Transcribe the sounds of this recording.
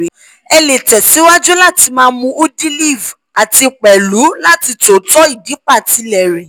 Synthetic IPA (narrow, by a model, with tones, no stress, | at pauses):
ɛ˧le˨tɛ˨si˨˦wa˦d͡ʒu˦la˦˨ti˧mãː˦mũ˧ʔo˦di˦li˦˨v | a˨ti˧k͡pɛ˨lu˨˦la˦˨ti˧to˨tɔ˦i˦˨di˨˦k͡pa˦˨ti˨˧lɛ˨ɾɛ˨